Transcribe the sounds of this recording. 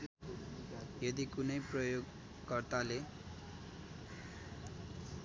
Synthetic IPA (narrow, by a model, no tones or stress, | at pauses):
jʌd̪ikunʌjprʌjoɡ | kʌrt̪ale